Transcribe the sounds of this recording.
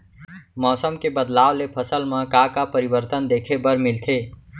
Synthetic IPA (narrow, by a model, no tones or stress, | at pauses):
mɔːsəmkebəd̪lawlepʰəsəlmə̃kakapəɾibəɾt̪ənd̪ekʰebəɾmilt̪ʰe